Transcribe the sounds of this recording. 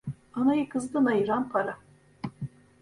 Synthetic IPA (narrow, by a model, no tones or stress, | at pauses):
anajɯkʰɯzd̪ɯnajɯɾanpʰaɾa